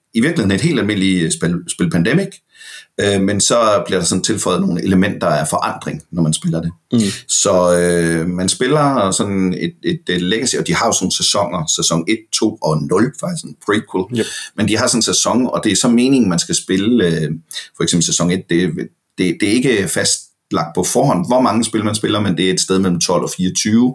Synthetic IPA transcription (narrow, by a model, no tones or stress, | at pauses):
iʋiɐɡlihe̝n̩e̝d̥he̝̰ld̥ælme̝n̰lisb̥elsb̥e̝ləpʰænd̥emiɡ̥ | ømensɒ̽b̥liɐɾ̥ɑ̈sɒ̽n̩t͡sʰe̝lfɒ̽ɪð̩ˠno̝ːn̩e̝ləmen̰d̥ɐæɐfɒ̽ʔɑ̈n̰d̥ʁeŋnɒmænsb̥e̝lɐd̥e̝sɒ̽ømænsb̥e̝lɐsɒ̽nned̥e̝d̥leɡ̥æsiɒ̽d̥ihɑ̈jo̝snoːn̩sæsɒ̽ŋ̰ɐsæsɒ̽ŋe̝d̥̚t͡sʰo̝̰ːɒ̽nɔ̽lfɑsɒnpʰʁikʰelmend̥iɦɑ̈sɒ̽n̩sæsɒ̽ŋɒ̽d̥e̝æɐsɒ̽me̝ːne̝ŋn̩mænsɡ̥æsb̥e̝ləøfɒeksemb̥l̩sesɒ̽ŋe̝d̥̚d̥e̝ | d̥e̝d̥e̝æɐe̝ɡ̥əfæsd̥ | lɑ̈ɡ̥̚d̥̚pʰɒ̽fɒːɦɒ̽n̰ʋɒmɑ̈ŋəsb̥e̝lɐmæns̬b̥e̝lɐmend̥e̝æɐe̝d̥sd̥eð̞ˠmel̰m̩t͡sʰɒ̽l̰ɒ̽fiːɐt͡sʰyːʊ